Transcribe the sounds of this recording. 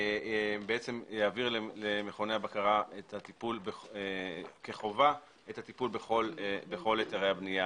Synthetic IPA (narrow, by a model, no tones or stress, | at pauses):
beʔet͡semjaːviʁlelemeχo̞ne̞abakaʁaet̪hat̪ipulbeekeχo̞va | ethat̪ipulbeχolbeχo̞letaʁejhabnija